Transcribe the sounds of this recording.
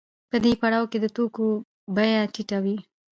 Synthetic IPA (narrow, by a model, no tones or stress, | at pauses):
pəd̪epaɽawked̪ət̪oko | bajaʈiʈawi